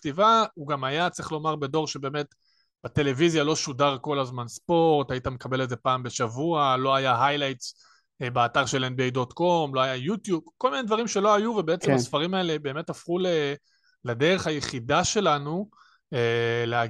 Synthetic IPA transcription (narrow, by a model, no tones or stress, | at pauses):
tivauɡamajat͡siχlo̞maʁbedo̞ʁʃebe̞ːme̞t | b̥ate̞le̞vizjalo̞ʃudaʁko̞lazmanspo̞ʁtaitamekabe̞leze̞paːmbeʃavualo̞ajaɦajlajts | beataʁʃe̞lenbiejdo̞tko̞mlo̞ajajutjub̚ko̞lminejd̪vaʁimʃe̞lo̞ajuvebeet͡semasfaʁimaelebe̞ːmetafχule | ladeʁe̞χhajeχidaʃe̞lanu | elea